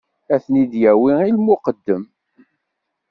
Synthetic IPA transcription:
æθnid̪jæwiilmʊqəd̪ːəm

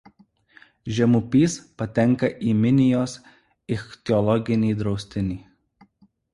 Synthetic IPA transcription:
ʒʲɛmʊpʲiːspɐt̪ʲɛŋˑkɐʔiːmʲɪnʲɪjoːs | ɪxt̪ʲɛɔlˠɔɡʲɪnʲiːd̪ɾɒʊsʲt̪ʲɪnʲiː

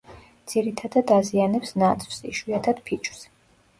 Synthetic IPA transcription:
d̪z̥iɾit̪ʰad̪ad̪azianɛpsnat̪sʼʰvsḭʃwiat̪ʰad̪̥pʰit͡ʃʰʼw̥s

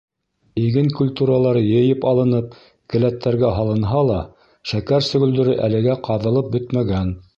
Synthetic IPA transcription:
iɡɘŋkulʲt̪uɾɑlˠɑɾjɤ̆jɤpɑlˠɤ̆nɤp̚ | kɘ̆læt̪ːæɾɡæɦɑlˠɤ̆nɦɑlˠɑ | ʃækæɾsɵ̆ɡɵ̆ld̪ɵ̆ɾɘʔælɘ̆ɡæqɑðɤ̆lˠɤp̚bɵt̪mæɡæn

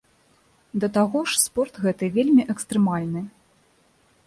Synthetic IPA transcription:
d̪ɐt̪aɣɔʂspɔrt̪ɣɛt̪ɨvʲelʲmʲiʔɛkst̪ɾɛmalʲnɨ

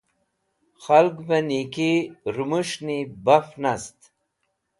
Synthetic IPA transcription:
xalɡvanikiɾumuʂnibafnast̪

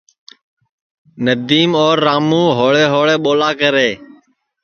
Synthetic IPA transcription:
nəd̪iːmoːɾːaːmũːɦoːɭeːɦoːɭeːɓoːlaːkəɾeː

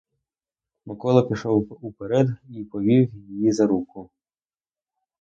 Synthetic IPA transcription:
mɔkɔlˠɐpʲiʃɔwupeɾɛd̪ipɔʋʲiwjijizɐɾukʊ

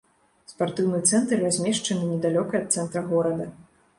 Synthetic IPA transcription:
spart̪ɨwnɨt̪sɛnt̪rːazʲmʲɛʂt͡ʂɐnɨnʲɛd̪alʲɔkɐɐt̪̚sɛnt̪ɾɐɣɔɾɐd̪ɐ

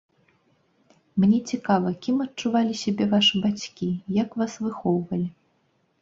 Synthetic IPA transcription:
mnʲɛt͡sʲikavɐkʲimɐtt͡ʂuvalʲisʲabʲɛvaʂɨbat͡sʲkʲijɐkvasvɨxɔwvɐlʲi

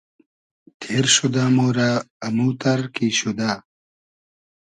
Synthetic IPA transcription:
t̪ʰeːɾɕud̪aːmoːɾaːmuːt̪ɐɾkiːɕud̪aː

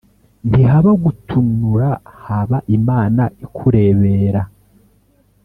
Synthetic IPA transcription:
ndiɦaβaɡutʰumnuɾahaβaʔimaːnaikʰuɾe̞βe̞ɾa

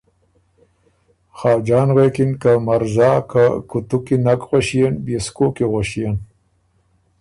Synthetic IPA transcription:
xɑːd͡ʒɑːnɣekinkamaɾzɑːkakut̪ukinakɣoɕijenbeskoːkiɣoʃijan

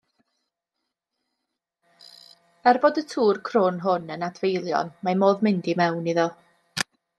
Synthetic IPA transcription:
ɛrboːdətʰuːrkʰrʊnɦʊnənadvejlˠjɔ̰nmamoːðmɪndimɛwniðɔ

